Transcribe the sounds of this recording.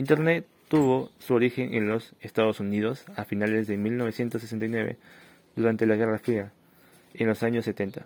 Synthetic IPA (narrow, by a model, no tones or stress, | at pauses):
int̪e̞ɾnet̪ːuβo̞suoɾixe̞nʔenlo̞sest̪aðo̞sunið̞o̞safinale̞zðe̞milno̞β̞e̞sje̞nt̪osːesent̪ajnwe̞βḛ | ðuɾant̪e̞laɣe̞rafɾia | enlo̞saɲosːe̞t̪e̞nt̪a